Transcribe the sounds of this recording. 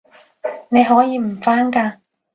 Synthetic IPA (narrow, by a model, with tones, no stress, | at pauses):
ne˨˧jɦɔː˨˥jiː˨˧m̩˨˩faː˥nkaː˧